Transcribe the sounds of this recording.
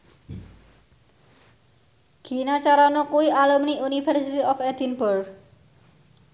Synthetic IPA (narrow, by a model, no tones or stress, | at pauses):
ɡ̥i̤nat͡ʃaɾanokuwiʔalumniunifɛrsit̪iɔfɛd̪̥inbɔrɡ